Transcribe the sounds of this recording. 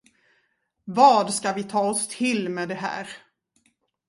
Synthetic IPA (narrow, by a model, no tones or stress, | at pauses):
vɑːd̪skavɪt̪ʰɑːɔst̪ʰɪlmɛd̪ɛɦæ̰ːɾ